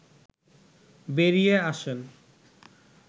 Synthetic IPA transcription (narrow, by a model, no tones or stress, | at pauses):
beɾijeaʃen